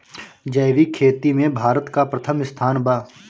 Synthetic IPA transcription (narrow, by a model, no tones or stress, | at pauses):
d͡ʒɐjʋikʰeːt̪imẽbʱaːɾət̪kapɾɐt̪ʰəmɪst̪ʰaːnbaː